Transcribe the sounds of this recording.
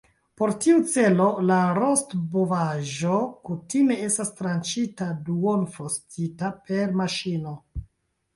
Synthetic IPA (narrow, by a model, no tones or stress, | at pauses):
po̞ɾtiut͡se̞lo̞laɾo̞stbovaʒo̞kutime̞e̞stastɾant͡ʃitaduonfostitapʰe̞ɾmaʃino̞